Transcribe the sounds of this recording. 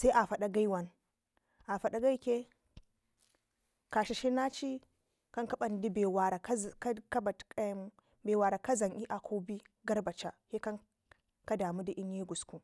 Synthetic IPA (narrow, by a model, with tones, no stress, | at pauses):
sa˦i˦ʔa˨fa˨ɗa˦ɡa˦i˦wa˨n | ʔa˨fa˨ɗa˨ɡa˦i˦kʲe˦ | ka˨ʃi˨ʃi˦na˦t͡ʃi˦ | ka˦ŋka˦ɓa˦n˨di˦be˨wa˨ɾa˨˦˨ka˦ba˨tka˦m˦ | be˨wa˨ɾa˨ka˦za˨ŋʔi˦ʔa˨kʰo˦bi˦ɡa˦ɾba˨t͡ʃa˨he˦ka˦ŋ | ka˦da˨mu˦di˨ʔi˦nji˦ɡu˨sku˨